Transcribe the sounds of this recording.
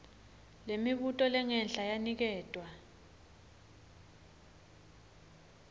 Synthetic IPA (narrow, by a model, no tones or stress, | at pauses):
lemiɓutʼɔlɛŋɛnɬajanik̬ɛːtʼwa